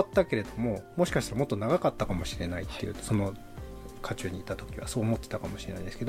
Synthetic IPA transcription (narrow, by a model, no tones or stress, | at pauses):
t̪ːake̞ɾe̞d̪o̞mo̞mo̞ɕi̥kaɕit̪aɾamot̪ːo̞naɡakat̪ːakamoɕiɾe̞nait̪ːe̞jɯ̟̰so̞no̞ | kʰat͡ɕɨːɲ̟iːt̪at̪o̞kʲiβa̰so̞ːmo̞t̪ːet̪akamo̞ɕiɾe̞na̰ĩnd̪esɨ̥ked̪o